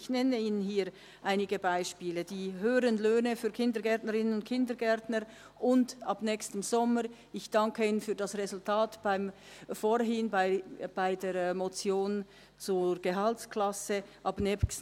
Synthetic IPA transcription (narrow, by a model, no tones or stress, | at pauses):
çnɛnəiːnənɦiːɾ | ʔaɪnɪɡəbaɪʃpiːləd̥iːɦøːʁənløːnəfyːɐkʰɪndəɡɛɐtnəʁɪnənʊnt̚kʰɪndəɡɛɐtnəɾ | ʔʊndɑbnɛçstəmz̥ɔməɾ | ɪçd̥ɑŋkəiːnənfyːdɑsʁezʊltʰaːtb̥aɪm | foːɾɦɪnbaɪb̥aɪdeːɾmot͡sjoːn | t͡suɾɡ̥əɦɑltklɑsəʔɑbnɛs